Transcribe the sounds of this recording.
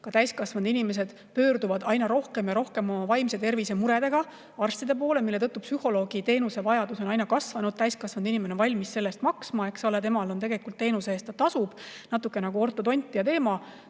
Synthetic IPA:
kɑt̪æjskɑsvɑnd̪inime̞s̬e̞d̪̥ | pø̞ːɾd̪uvɑd̪ɑjnɑɾo̞hke̞mjɑɾo̞hke̞mo̞mɑvɑjmse̞t̪e̞rvise̞muɾe̞d̪e̞ɡ̥ɑ | ɑrst̪id̪e̞p̬o̞ːlemilːe̞t̪ɤ̞t̪ːˑupsyho̞lo̞ːɡ̥it̪e̞ːnuse̞vɑjɑd̪uso̞nɑjnɑkɑsvɑnud̥̪̚t̪æjskɑsvɑnd̪̥inimenonvɑlʲmisse̞lːe̞st̪mɑksmɑe̞ksɑlet̪emɑlo̞nt̪e̞ɡe̞likːˑult̪ːe̞ːnuseeːst̪ːt̪ːɑsub̥nɑt̪ːˑukːˑe̞nɑɡ̥uo̞rt̪ːˑo̞t̪o̞nʲt̪ʲːˑijɑt̪e̞ːmɑ

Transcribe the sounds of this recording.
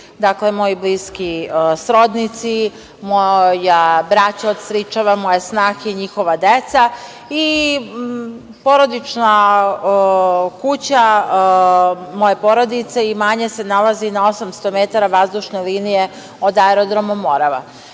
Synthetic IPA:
d̪akle̞mo̞jobliskisɾo̞d̪nit̪si | mojabɾat͡ɕaod̪sɾit͡ʃaʋamo̞jesnaːxeiɲixo̞ʋad̪et̪sa | i | po̞ɾo̞d̪it͡ʃna | kut͡ɕa | mo̞jepo̞ɾo̞d̪it̪seimaɲe̞se̞nalazinao̞samst̪o̞met̪aɾaʋazd̪uʃneliːnije | o̞d̪aeɾod̪ɾomomo̞ɾaʋa̰

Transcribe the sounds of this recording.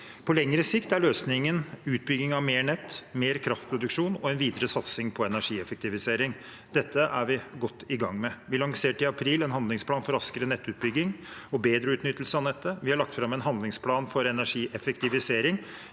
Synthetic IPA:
pʰɔlɛŋːəɾəsɪkt̪æɭøːsnɪŋənʉːt̪̚bʏɡːɪŋɑʋmeːɳɛt̪ːmeːɾkʰɾɑft̪̚pʰɾʊd̪ʉkʂuːnɔɛnʋiːd̪əɾəsɑt̪sɪŋpʰɔɛnæʂiːɛfəkt̪ɪʋɪseːɾɪŋ | d̪̥ɛt̪ːəʔæɾʋɪɡɔt̪ːɪɡɑŋːmɛʋɪlɑŋseːʈɪɑpʰɾiːlɛnɦɑnd̪lɪŋspʰlɑːnfɔɾɑskəɾənɛt̪ːʉːt̪̚bʏɡːɪŋɔbeːd̪ɾəʉːt̪nʏt̪ːəlsəɑnɛt̪ːəʋɪhɑɭɑk̚t̪fɾɑmːɛnɦɑnd̪lɪŋspʰlɑːnfɔɾɛnæʂiːʔɛfəkt̪ɪʋɪseːɾɪŋ

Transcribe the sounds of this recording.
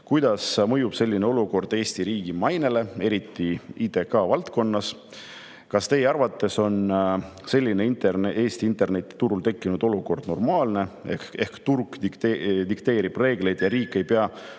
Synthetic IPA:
kujd̪̥ɑsmɤ̞jub̥se̞lːineo̞luko̞rd̪e̞ːst̪iɾiːɡ̥imɑjne̞le̞e̞ɾit̪ːiiːt̪e̞kɑːvɑlt̪ko̞nːɑs | kɑst̪e̞jeɑrvɑt̪ˑːe̞so̞nse̞lʲːineint̪erneʔe̞ːst̪iint̪ːˑe̞rne̞t̪ːˑi̥t̪uɾult̪e̞kˑːinud̪o̞luko̞rd̪̥no̞rmɑːlne̞eehkt̪urkd̪ikt̪ed̪ikt̪e̞ːɾib̥re̞ːɡ̥le̞jd̪̥jɑɾiːkːˑe̞jpe̞ɑ

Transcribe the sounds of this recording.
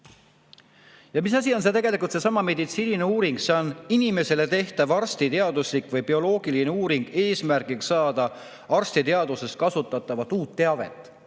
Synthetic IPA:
jɑmisɑs̬ʲio̞ns̬et̪e̞ɡe̞likult̪se̞sɑmɑme̞d̪it̪siːnineuːɾiŋɡseoninime̞se̞le̞t̪e̞ht̪ɑvɑrst̪it̪e̞ɑd̪uslikˑvɯjpio̞lo̞ːɡ̥iline̞uːɾiŋɡ̥e̞ːsmærɡ̥ikssɑːd̪̥ɑ | ɑrst̪it̪e̞ɑd̪̥uses̚kɑsut̪ːˑɑt̪ːˑɑvɑt̪ːuːt̪ːe̞ɑve̞̰t̪ːˑ

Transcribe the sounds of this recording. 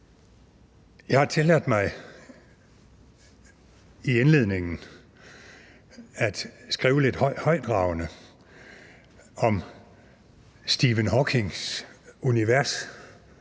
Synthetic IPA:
jɑ̈ɪhɑ̈t͡sʰe̝læðd̥ˠmɑ̈ɪ | ienle̝ð̞̰ˠne̝ŋn̩ | æd̥sɡ̥ʁiːʊəle̝d̥hhɒ̽ɪ̰d̥ʁɑ̈ʊnə | ɒ̽m | sd̥iʋənɦɒkʰe̝ŋsuniʋæɐs

